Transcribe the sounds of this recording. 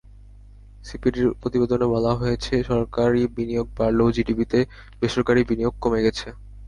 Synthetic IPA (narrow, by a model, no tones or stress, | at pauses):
sipiɾiɾpɾot̪ibed̪onebɔlaɦojet͡ɕʰeʃɔɾkaɾibinijoɡ̚baɾlod͡ʑiɖibit̪e | b̥eʃoɾkaɾibinijoɡ̚komeɡɛt͡ɕʰe